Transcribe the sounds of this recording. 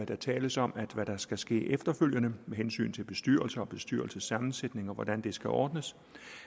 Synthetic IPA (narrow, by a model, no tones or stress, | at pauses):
æd̥ɑ̈t͡sʰɛːləsɒ̽mæd̥ʋæd̥ɑ̈sɡ̥æsɡ̥e̝̰ːʔefd̥ɐføl̰jənəmeɦensy̰ːnt͡sʰe̝lb̥e̝sd̥yɐ̰lsɐɒ̽b̥e̝sd̥yɐ̰l̩səsːɑ̈mn̩sed̥ne̝ŋɒ̽ʋɒd̥ænd̥e̝sɡ̥æʔɒ̰ːd̥nəs